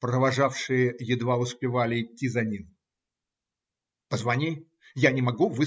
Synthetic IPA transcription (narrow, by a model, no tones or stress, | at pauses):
pɾəvɐʐafʂɨjəjɪd̪vaʊspʲɪvalʲɪɪtʲːizɐnʲim | pəzvɐnʲi | janʲɪmɐɡuvɨ